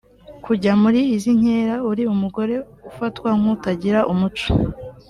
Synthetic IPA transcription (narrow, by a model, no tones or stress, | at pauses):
kuɟamuɾiːziɲ̥e̞ːɾauɾiumuɡo̞ɾe̞ | ufatwaŋ̥utaɟiɾaʔumut͡ʃo̥